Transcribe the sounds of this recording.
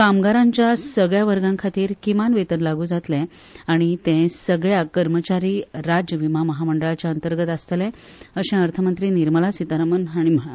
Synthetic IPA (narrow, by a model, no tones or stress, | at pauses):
kamɡaɾãɲt͡ɕjasəɡɭjaʋəɾɡãŋkʰat̪iːɾkimanʋet̪ənlaɡuːd͡zat̪lẽ | aɽ̃it̪ẽsəɡɭjakəɾmət͡ɕaɾiːɾad͡ʑjəʋimaməɦaməɳɖəɭat͡ɕaənt̪əɾɡət̪ast̪əlẽ | əɕẽəɾt̪ʰəmənt̪ɾiːniɾməlasit̪aɾəmənɦaɽ̃iməɦa